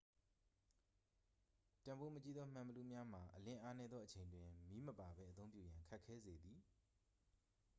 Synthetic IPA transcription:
tã˨mbo˦mə˦t͡ɕi˦d̪ðɔ˦m̥ã˨mbə˨lu˦˨mja˦m̥a˨ʔəlɪ̃˦ʔa˦nɛ˦d̪ðɔ˦ʔət͡ɕʰẽ˨ndwɪ̃˨mi˦məpa˨bɛ˦ʔət̪õ˦ʊ̃mpjṵ˦˨jã˨ŋkʰa˦ʔkʰːɛ˦ze˨d̪i˨

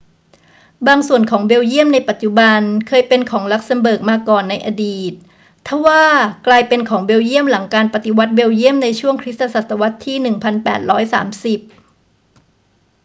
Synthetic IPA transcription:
baː˧ŋsu˨˩ənkʰɔː˩˦ŋbe˧wji˥˩əmna˧jpa˨˩t̪̚t͡ɕu˨˩ba˧nkʰɤː˧jpe˧nkʰɔː˩˦ŋla˦˥k̚sa˧mbɤː˨˩k̚maː˧kɔː˨˩nːa˧jʔa˧diː˨˩t̪̚ʰː | a˧˥˩waː˥˩klaː˧jpe˧nkʰɔː˩˦ŋbeː˧wji˥˩əmla˩˦ŋkaː˧npa˨˩t̪i˧wa˦˥t̪̚be˧wji˥˩əmna˧jt͡ɕʰu˥˩əŋkʰɾi˦˥t̪a˧sa˨˩t̪ːa˧wa˦˥t̪ʰːiː˥˩nɯ˨˩ŋpʰa˧npɛ̰ː˨˩t̪̚ɾɔː˦˥jsa̰ː˩˦msi˨˩p̚

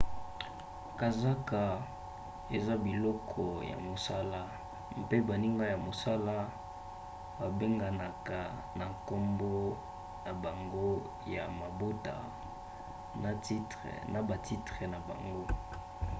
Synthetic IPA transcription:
ka˨za˦ka˨ | e˨za˦bi˨lɔ˦kʰɔ˨ja̰˨mo˨sa˦la˦ | mpe˦ba˨ni˦ŋɡa˦ja˨mo˨sa˦la˦ | ba˨be˦ŋɡa˨na˨ka˨ | na˨ŋko˦mbɔ˦ | na˨ba˨ŋɡo˦ | ja̰˨ma˨bo˦ta̰˨ | na˨ti˦tna˨ba˨tʰi˦tʁɛ˨na˨ba̰˨ŋɡo˦

